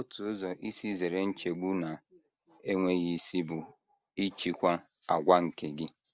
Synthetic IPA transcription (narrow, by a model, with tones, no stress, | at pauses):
o˦tu˨˦zɔ˨ʔi˦si˦ze˨ɾe˨n̩˦t͡ʃe˨ɡ͡bu˦na˨ | e˦ŋʷe˦ɣi˦si˦bʊ˨ | i˦t͡ʃi˦kʷa˦ | a˨ɡʷa˦ŋ̩˨ke˦ɡɪ˦